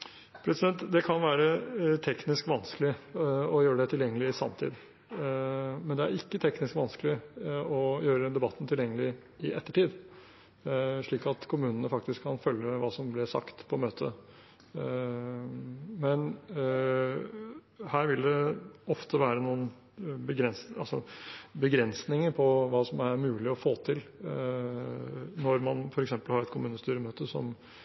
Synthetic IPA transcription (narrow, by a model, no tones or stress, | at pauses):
pʰɾɛsɪd̪ɛnt̪d̪ɛkʰɑnʋæːɾət̪ʰɛknɪskʋɑnskəlɪɔjøːɾəɖ̪ɛt̪ʰɪljɛŋːəlɪɪsɑ̰mt̪ʰḭːd̪ | mɛnd̪ɛæ̰ɾɪkːət̪ʰɛknɪskʋɑnskəlɪɔjøːɾəd̪ɛbɑt̪ːn̩t̪ʰɪljɛŋːəlɪɪʔɛt̪ːəʈiːd̪ | ʂɭiːkɑt̪kʰʊmʉːnənəfɑk̚t̪ɪskʰːɑnfœljəʋɑːsɔmblɪsɑ̰kt̪pʰɔmøːt̪ʰə | mɛn | hæːɾʋɪld̪ɛɔft̪ʰəʋæːɾənuːən | bəɡɾɛnsɑlsɔ̰bəɡɾɛnsnɪŋəɾpʰɔʋɑːsɔmæɾmʉːlɪɔfoːt̪ʰɪl | nɔɾmɑnfɔɾɛksɛmpəlhɑɾɛt̪kʰʊmʉːnəst̪yːɾəmøːt̪əsɔ̰m